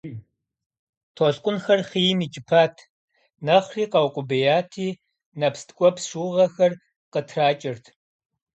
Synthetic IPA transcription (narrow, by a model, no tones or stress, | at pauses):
tʰoːɬqʷʼʊnxɐrχiːjmiːt͡ʃʼɪpʰaːtʰ | nɐχriːqɐwqʷʼʊbɐjaːtʰiː | nɐpstʰkʷʼɔpʂuːʁɐxɐr | qətʰraːt͡ʃʼɪrtʰ